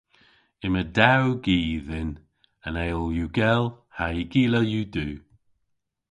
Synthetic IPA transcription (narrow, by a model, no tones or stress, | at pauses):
ɪmədawɡiːðɪn | ənɛjlˠjuːɡɛlˠhaiɡiːləjuːduː